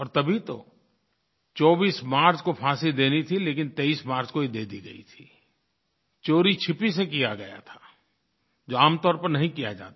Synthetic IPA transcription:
ɔːɾt̪ɐbʱit̪o̰ | t͡ʃɔːbiːsmaːɾt͡ʃkopʰaːsid̪eːnit̪ʰileːkɪnt̪eːiːsmaːɾt͡ʃkoɦid̪eːd̪iɡɐḭt̪ʰi | t͡ʃoːɾit͡ʃʰɪpisekijaɡɐja̰t̪ʰḁː | d͡ʒoːaːmt̪ɔːɾpɐɾnɐɦĩkija̰d͡ʒa̰ːt̪a

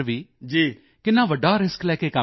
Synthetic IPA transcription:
ʋiːd͡ʒiː | kɪnːãːʋəɖːaːɾɪsklɛːkeːkə

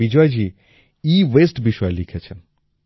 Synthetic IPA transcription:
id͡ʒɔjd͡ʒi | iʋesʈbiʃʋaelikʰet͡ʃʰe

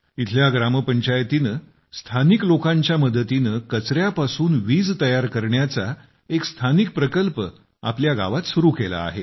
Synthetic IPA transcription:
it̪ʰljaɡɾaməpəɲt͡ɕajt̪inə | st̪ʰaniklokãɲt͡ɕjaməd̪ət̪inəkət͡sɾjapasuːnʋiːd͡zt̪əjaɾkəɾɳjat͡sa | ekst̪ʰanik̚pɾəkəlpə | a̰pljaɡa̰ʋat̪suɾukela̰ːɦe

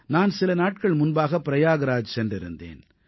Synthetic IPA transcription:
naːnsɪlɐnaːʈ̚kɐɭmʊnbaːɣɐpːɪɾɐjaːɣɐɾaːd͡ʒsɛndrɪɾɯnd̪ḛːn

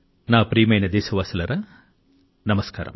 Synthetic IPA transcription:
naːpɾiːmɐjnɐd̪eːsɐʋaːsɐlɐɾɐ | nɐmɐska̰ːɾɐ̰m

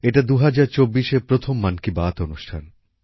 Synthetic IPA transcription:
eʈad̪uɦad͡ʑaɾt͡ɕobːiʃeɾpɾot̪ʰomːankibaːt̪onuʃʈʰan

